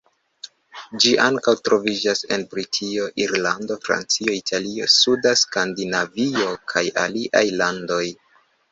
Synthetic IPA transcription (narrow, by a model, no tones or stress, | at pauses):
d͡ʒiʔaŋkawtɾo̞vid͡ʒase̞̰npɾitʰio̞ʔiɾlando̞fɾa̰nt͡sio̞itʰalio̞sudaskandinavio̞kʰaja̰liʔa̰jlando̞j